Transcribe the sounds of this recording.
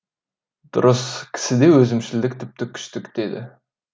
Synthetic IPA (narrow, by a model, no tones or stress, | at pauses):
d̪̥ʊ̰ɾəskʲʰɪ̥sɪd̪ewɵzɪmʃɪld̪ɪk̚ʲt̪ʰɪp̚t̪ɪkʲʰʏ̥ʃt̪ɪkd̪̥ed̪ɪ̰